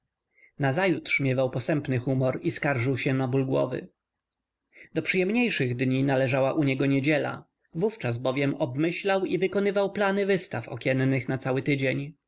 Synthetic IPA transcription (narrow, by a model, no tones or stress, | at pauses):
nazajut̪ʂmʲjɛvawpɔsɛmpnɘxumɔɾiskaɾʐɘwɕɛnabulɡwɔ̰vɘ̰ | d̪̥ɔpʂɨjɛmɲejʂɘɣd̪ɲinalɛʐawaʔuɲɛɡɔɲed͡ʑɛla̰ | vuft͡ʂazbɔvʲjɛmɔbmɘɕlawivɘkɔnɘvawplanɘvɘst̪afɔ̰kʲɛnːɘxnat̪sawɘt̪ɘd͡ʑeɲ